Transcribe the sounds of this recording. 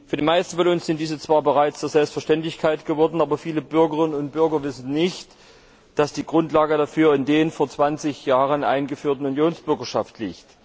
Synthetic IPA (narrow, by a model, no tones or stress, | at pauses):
fyːɐdiːmaɪstn̩fɔnʊnsz̥ɪnt̚d̥iːzət͡sv̥aːɐbəʁaɪt͡sd̥eːɐzɛlpstfɛɐʃtɛntlɪçkʰaɪtɡ̥əvɔɐdn̩ʔaːbɐfiːləb̥ʏɐɡəʁɪnənʊnt̚b̥ʏɐɡɐvɪsn̩nɪçt | d̥asd̥iːɡʁʊntlaːɡədafyːɐɪndeːnfoːɐt͡sv̥ant͡sɪçjaːʁənʔa̰ɪnɡəfyːɐtn̩unjoːnsb̥ʏɐɡɐʃaftʰlḭːçt